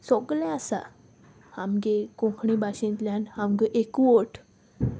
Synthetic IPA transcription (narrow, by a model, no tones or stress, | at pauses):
sɔɡlãasa̰ | hamɡekõkʰɳibaɕĩnt̪ljãnhamɡəʔekʋoʈ